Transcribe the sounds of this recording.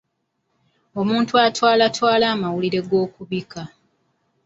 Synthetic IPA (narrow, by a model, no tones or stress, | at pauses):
o̞muːntuatwaːlatʰwaːlaːmawuliɾe̞ɡo̞ːkuβika